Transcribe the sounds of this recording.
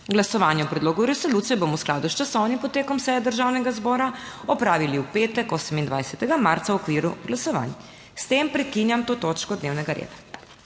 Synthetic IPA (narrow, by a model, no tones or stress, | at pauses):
ɡlasɔʋanjɛwpɾɛd̪loːɡuɾɛsɔluːt̪sijɛbomɔwsklaːd̪ust͡ʃasɔwnimpɔt̪ːeːkɔmsɛjɛd̪əɾʒawnɛɡazbɔːɾaɔpɾaːʋiliupeːt̪ɛkoːsɛmind̪ʋajsɛt̪ɛɡamaɾt̪sawɔkʋiːɾuɡlasɔʋa̰n | st̪empɾɛkinjamt̪oːt̪oːt͡ʃkɔd̪neːwnɛɡaɾḛːd̪ḁ